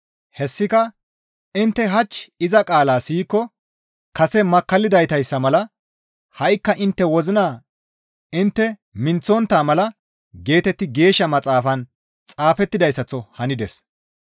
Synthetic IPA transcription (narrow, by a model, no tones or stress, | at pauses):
hɛsːɪkɐ | ɪnt̪ːɛɦɐt͡ʃːɪzɐkʼaːlaːsiːkːɔ | kɐsɛmɐkːɐlːɪd̪ɐjt̪ɐjsːɐmɐlɐ | hɐjkːɐʔɪnt̪ːɛwɔzɪnaː | ɪnt̪ːɛmɪnt͡sːɔnt̪ːaːmɐlɐ | ɡe̞ːt̪ɛt̪ːɪɡe̞ːʃːɐmɐt͡sʼaːfɐn | t͡sʼaːfɛt̪ːɪd̪ɐjsːɐt͡sːɔhɐnɪd̪ɛs